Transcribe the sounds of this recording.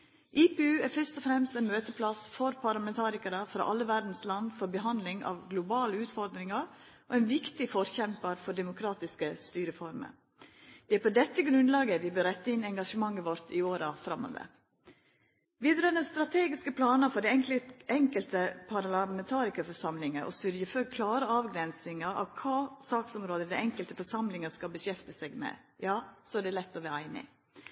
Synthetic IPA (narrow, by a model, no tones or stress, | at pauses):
ʔiːpɛʉːæɾfœʂt̪ɔfɾɛmst̪ɛnmøːt̪əpʰlɑsfɔɾpʰɑɾlɑmɛnt̪ʰɑːɾɪkəɾəfɾɑ̰ʔɑlːəʋæɾd̪n̩slɑnfɔɾbəɦɑnd̪lɪŋɑ̰ʋɡlʊbɑːləʉːt̪fɔɾd̪ɾɪŋɑɾ | ɔ̰ɛnʋɪkt̪ɪfɔɾçɛmpəɾfɔɖɛmʊkʰɾɑːt̪ɪskəst̪yːɾəfɔɾmə̰ɾ | d̪̥ɛæpʰɔd̪ɛt̪ːəɡɾʉnd̪lɑːɡəʋɪbøːɾɛt̪ːɑɪnɛŋɡɑʂəmɑŋːəʋɔɾt̪ʰɪoːɾɑfɾɑmːo̰ːʋə̰ɾ | ʋɪd̪ɾøːnəst̪ɾɑt̪ʰeːɡɪskəpʰlɑːnəfɔɖɛɛŋɛŋkəlt̪əpʰɑɾlɑmɛnt̪ʰɑːɾɪskəfɔʂɑmlɪŋəʔɔ̰sʉɾjəføːkʰlɑːɾəɑːʋɡɾɛnsɪŋəɾɑ̰ʋkʰɑːsɑːksɔmɾoːd̪əd̪ɛɛŋkəlt̪əfɔʂɑmlɪŋəskɑlbəɕɛft̪əsɛɡmɛ̰ | jɑːsɔæɖɛlɛt̪ːɔʋæɾæɪnɪ̰